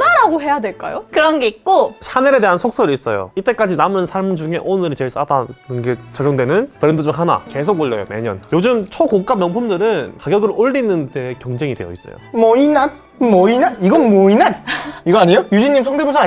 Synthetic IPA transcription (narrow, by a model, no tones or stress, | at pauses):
naɾaɡoɦe̞jadwe̞ɭk͈ajokɯɾʌnɡe̞it̚k͈oɕʰaneɾe̞de̞ɦansʰok̚s͈ʌɾiis͈ʌjo̰it͈e̞k͈ad͡ʑinamɯnsʰaɭmd͡ʑuŋe̞ʔonɯɾit͡ɕe̞ɭs͈adanɯnɡet͡ɕaɡjʌŋdwe̞nɯnpɯɾendɯd͡ʑuŋɦana̰ke̞sʰoɡoʎːʌjo̰me̞̰ɲʌ̰njod͡ʑɯmt͡ɕʰokok͈amjʌŋpʰumdɯɾɯnkaɡjʌɡɯɾoʎːinːɯndekjʌŋd͡ʑe̞ŋidwe̞jʌḭs͈ʌ̰jo̰mʌinan | mwʌinaniɡʌnmʌinaniɡʌaɲijojud͡ʑiɲːimsʰʌŋdebosʰa